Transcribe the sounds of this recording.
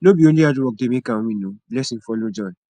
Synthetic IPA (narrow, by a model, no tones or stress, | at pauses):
lobĩoliaduɔk̚demĩkãõmĩnũlɛsĩn̩fɔlod͡ʒɔ̃n